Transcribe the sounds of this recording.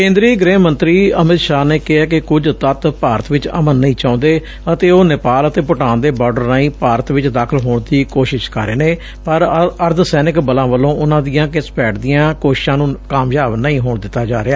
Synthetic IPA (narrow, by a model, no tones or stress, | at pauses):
kẽːnd̪ɾiːɡɾeːmə̃nt̪ɾiːəmɪt̪ʃaːneːkɪɦaːkɪkʊd͡ʒt̪ət̪paːɾət̪ʋɪt͡ʃə̰mənːəĩːt͡ʃãːʊ̃ːnd̪eː | ət̪eːoːnɪpaːlət̪eːpʊʈãːnd̪eːbɔːɖəɾnaːĩːpaːɾət̪ʋɪt͡ʃd̪aːkʰəlɦoːɳd̪iːkoːʃɪʃkə̰ɾːeːneː | pəɾəɾd̪sɛːnɪkbəlãːʋəlːõːʊnãːd̪ijãːkɪsbɛːʈʰd̪ijãːkoːʃɪ̥ʃãːnũːkaːmjaːbnəĩːɦoːɳd̪ɪt̪ːaːd͡ʒaːɾeaː